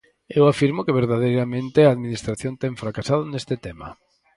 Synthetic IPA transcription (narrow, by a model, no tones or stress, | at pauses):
ewafiɾmʊkeβeɾðaðejɾamẽnt̪ɪaːðminist̪ɾaθjont̪ɛɱfɾakasaðʊnest̪ɪt̪ema̰